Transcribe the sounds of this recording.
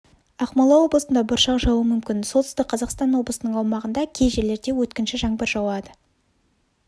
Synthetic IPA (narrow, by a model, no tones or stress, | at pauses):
ɑqmɑlˠɑwo̞blˠəsənd̪ɑbʊɾʃɑqʒɑwəmʏmkʲɪnsot̪əst̪ɪk̚qʰɑzɑqst̪ɑnwo̞blˠəsənəɴɑwmɑʁənd̪ɑkʲʰe̞jʒe̞ɾle̞ɾd̪e̞wɵt̪kʲɪnʃɪʒɑŋbəɾʒɑwɑd̪ə